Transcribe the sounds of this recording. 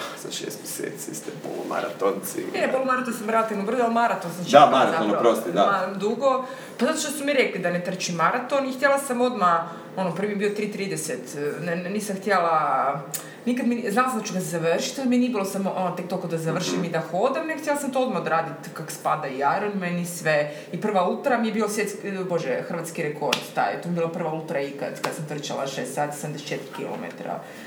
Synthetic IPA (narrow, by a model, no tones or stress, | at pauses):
sa̰ʃḛst̪mjesḛt̪sist̪ɛpo̰lˠoma̰ɾa̰t̪ont̪sḭeppolˠomaɾat̪onsamɾelat̪iʋnobr̩zalmaɾat̪onsamsamaɾat̪onpɾost̪id̪amadmd̪uɡo | pazat̪oʃt̪osumiɾeklid̪anet̪r̩t͡ɕimːaɾat̪onixt̪jelasamo̞d̪ma | o̞nopr̩ʋimjebiot̪ɾiːt̪ɾiːd̪eset̪nniːsamxt̪jela | nikad̪miznalˠasd̪at͡ʃuɡaszaʋrʃi̥t̪od̪miniebilosamoʔonot̪ek̚t̪okod̪azaʋr̩ʃimid̪axod̪amnext̪jelˠasamt̪ood̪maod̪aɾaːd̪it̪kako̥spad̪aiaɾonmenisʋe | ipr̩ʋaut̪ɾamijebiːlosjet̪skboʒexr̩ʋat̪skiɾeko̞ɾd̪t̪a̰jḛt̪omjebilˠapr̩ʋaut̪ɾaika̰d̪kad̪asamt̪r̩t͡ʃa̰la̰ʃest̪saːt̪isamd̪ese̥t͡ʃet̪ɾikḭlo̰mḛt̪ɾa̰